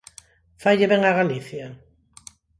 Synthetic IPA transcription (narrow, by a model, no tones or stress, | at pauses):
fajʎeβeŋaɣaliθja